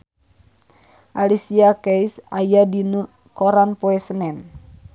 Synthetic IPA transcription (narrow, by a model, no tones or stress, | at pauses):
ʔalisiakɛjsajadinu | kɔɾanpoɛsənɛn